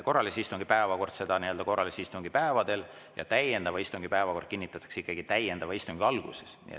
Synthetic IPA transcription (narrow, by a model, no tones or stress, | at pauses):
ko̞rːɑlisist̪uŋɡ̥ipæevɑko̞rd̪̥se̞d̪̥ɑnieø̞ld̪ɑko̞rːɑlisist̪uŋɡ̥ipæevɑd̪̥e̞l | jɑ̰t̪æjend̪̥ɑvɑist̪uŋɡ̥ipæevɑko̞rd̪̥̚kinːit̪ːˑɑt̪ːˑɑ̥ksikːɑɡ̥it̪æjend̪ɑvɑist̪uŋɡ̥iɑlɡ̥ṵsesnḭḛ